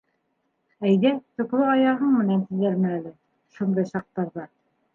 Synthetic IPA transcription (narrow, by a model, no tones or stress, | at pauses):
æjðæt̪ɵ̆klˠɤɑjɑʁɤɴmɘ̆nænt̪ɘ̆ðæɾmæːlɘ | ʃund̪ɤjʃɑq̚t̪ːɑɾðɑ